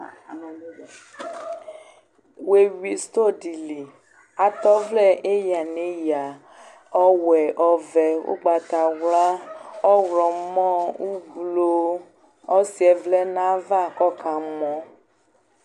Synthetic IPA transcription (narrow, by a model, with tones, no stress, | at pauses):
we˨wi˨st̪o˦˨di˨li˨ | a˨t̪ɔ˦vlɛ˦ʔe˦ja˨ne˨˦ja˨ | ɔ˦wɛ˨ʔɔ˨vɛ˨wo̰˦ɡ͡ba˨t̪a˨wla˦ɔ˦wɾɔ˨˦mɔ̃˦u˦ɡlo˦ | ɔ˦si˦ɛ˨vlɛ˦nã˦va˦˨kɔ˦ka˨mɔ̃˦